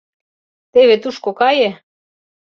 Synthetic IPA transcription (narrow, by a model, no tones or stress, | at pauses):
t̪eβet̪uʃkokɑje